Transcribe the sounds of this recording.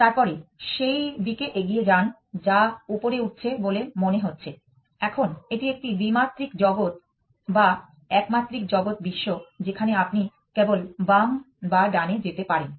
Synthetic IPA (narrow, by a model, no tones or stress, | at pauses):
t̪aɾpɔɾeʃejd̪ikeʔeɡied͡ʑan | d͡ʑaupoɾeuʈ̚t͡ɕʰebolemoneɦotːɕʰe | ɛkʰoneʈiek̚ʈib̪imat̪ːɾikd͡ʑɔɡot̪ | ba | ɛkmat̪ːɾik̚d͡ʑɔɡot̪̚biʃːod͡ʑekʰaneapni | kebolbam | baɖaned͡ʑet̪epaɾen